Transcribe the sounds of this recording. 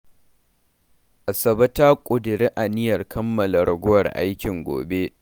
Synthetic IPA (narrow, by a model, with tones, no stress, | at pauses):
ʔa˨sɐ˨bɐ˦taː˦kʷʼʊ˨dɪ˨ɾe˦ʔa˨nɪ˦jɐ˨rkʰɐ˦mːɐ˨lɐ˨ɽɐ˨ɡʷʊ˦wɐ˨rʔa̰˦jkʲɪ˨ŋɡʷo̰ː˨be˦